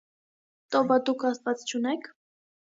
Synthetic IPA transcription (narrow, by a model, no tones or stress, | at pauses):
t̪ʼɔbɑt̪ukʰɑst̪vɑt͡st͡ʃʰunɛkʰ